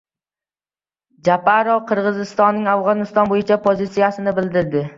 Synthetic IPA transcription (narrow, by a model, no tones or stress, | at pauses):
d͡ʒapʰaɾoqʰɨɾʁɨzɪst̪ɒnːɪŋafʁɒnɪst̪ɒnbojɪt͡ʃʰapʰozɪt̪sijasɪnɪbɪld̪ɪɾd̪ɪ